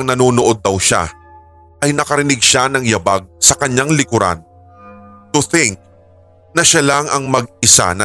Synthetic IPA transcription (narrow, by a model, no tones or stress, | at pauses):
ɐŋnɐnoːnoʔo̞d̪̚ːɐwʃa̰ | ʔɐjnɐkɐɾɪnɪɡ̚ʃanɐŋjɐbaɡ̚sɐkɐɲːaŋlɪkʊɾa̰n | t̪ʊθɪŋk̚ | nɐʃalaŋʔɐŋmɐɡ̚ɪsa̰nɐ